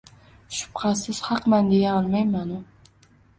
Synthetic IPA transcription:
ʃʊ̥pqʰɑsɪz̥hɑqmand̪ejaɑlˠmajmanʊ

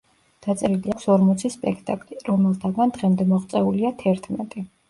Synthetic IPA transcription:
d̪̥at̪sʼɛɾiliakʰsɔɾmɔt̪sʰispʼɛkʰt̪ʼakʼliɾɔmɛlˠt̪ʰaɡand̪ʁɛmd̪ɛmɔχt̪sʼɛuliat̪ʰɛɾt̪ʰmɛt̪ʼi

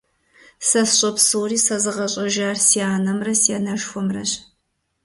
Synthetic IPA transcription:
sɐsɕʼɐpsoːriːsɐzɨʁɐɕʼɐʒaːrsiaːnɐmrɐsiaːnɐʃxʷɔmrɐ̰ɕ

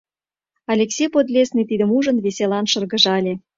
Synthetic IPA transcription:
ɑlʲeksʲejpod̪lʲesnit̪id̪əmuʒə̆nβesʲelɑnʃɤ̆rɣə̆ʒɑlʲe

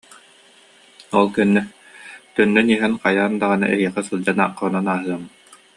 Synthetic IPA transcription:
ɔlˠkɛnːɛ | t̪œnːɛniːɦɛnqajaːnd̪aʁɯna̰ʔɛɦiɛχɛsɯlˠd͡ʑana̰qːɔnanaːɦɯɐm

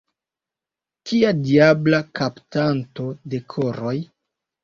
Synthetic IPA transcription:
tʰiadiablakaptanto̞de̞kʰoɾo̞j

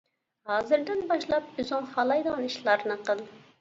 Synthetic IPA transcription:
ɦɑːzɨɾd̪ɛnbɑʃlˠɑp̚byzɪŋχɑlˠɑjd̪ʁɑniʃlˠɑɾnɨqʰəlˠ

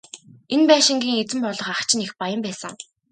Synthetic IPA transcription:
enpæːʃɪ̆ŋɡʲiːŋet͡sɘ̆mpɔɮɞ̆χaχt͡ɕʰɪ̆nexpajə̆mpæːsə̆ŋ

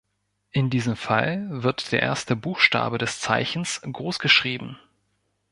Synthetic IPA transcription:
ʔɪndiːzəmfa̰lvɪɐtd̥eːɐʔḛːɐstəbuːxʃta̰ːbədɛst͡sa̰ɪçn̩sɡ̥ʁoːsɡ̥əʃʁ̥iːbm̩

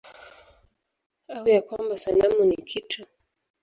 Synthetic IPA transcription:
aujakwambasanamunikʰitʰu

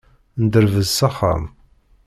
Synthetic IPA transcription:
nd̪əɾvəzsaχa̰m

